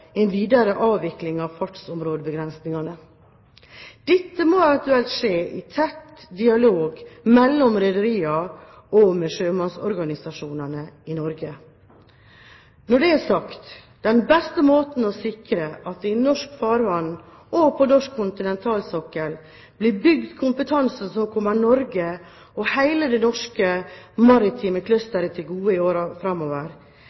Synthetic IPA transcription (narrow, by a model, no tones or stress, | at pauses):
enʋiːd̪ɑɾəʔɑːʋʋɪklɪŋɑʋfɑʈsɔmɾoːd̪əbəɡɾɛnsnɪŋɑnə | d̪̥ɪt̪ːəmoːɛʋɛnt̪ʉɛlt̪ʂeːʔɪt̪ʰɛt̪d̪ɪɑloːɡmɛlːɔmɾɛd̪əɾiːɑ | ɔmeʂøːmɑnsɔɾɡɑnɪsɑʂuːnɑnəɪnɔɾɡə | nɔɖɛæːsɑkt̪ | d̪̥ɛnbɛst̪əmoːt̪n̩ɔsɪkɾəʔɑt̪ɪnɔʂkfɑːɾʋɑnː | ʔɔpʰɔnɔʂkʰːʊnt̪ɪnɛnt̪ʰɑːlsɔkəl | b̥lɪbʏɡd̪kʰʊmpət̪ʰɑnsn̩sɔkʰɔmːəɾnɔɾɡə | ɔhæɪləd̪ɛnɔʂkəmɑɾɪt̪ʰiːməkʰlœst̪əɾət̪ʰɪlɡuːəɪoːɾɑfɾɑmːoːʋəɾ